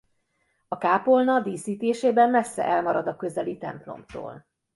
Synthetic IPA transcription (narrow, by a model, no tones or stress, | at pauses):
ɒkaːpo̞lnɒd̪iːsiːt̪eːʃeːbɛmmɛsːɛ̰ʔɛlmɒɾɒd̪ɒkø̞zɛlit̪ɛ̰mplo̞̰mt̪o̰ːl